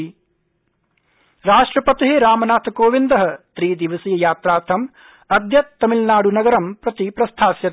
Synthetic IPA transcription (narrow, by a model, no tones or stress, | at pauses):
ɾaːʂʈɾɐpɐt̪iɦeɾaːmɐnaːt̪ʰkoːʋind̪ɐɦɐt̪ɾiːd̪iʋɐsiːɐjaːt̪ɾaːɾt̪ʰɐm | ɐd̪ʱjɐt̪t̪ːɐmilnaːɽunɐɡɐɾɐmpɾɐt̪ipɾɐst̪ʰaːsjɐt̪